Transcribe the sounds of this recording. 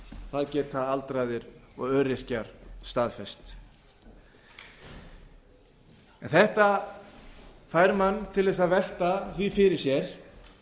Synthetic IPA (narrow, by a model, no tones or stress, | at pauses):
θaðcɛːt̪θaðalt̪ɾajðɪɾɔɣœːɾɪr̥caɾ̥st̪aðfɛst̪ | ɛnθɛht̪a | θaːjɾmanːt̪ʰɪlðɛs̬aðvɛl̥t̪aθvifɪɾɪɾ̥sjɛɾ̥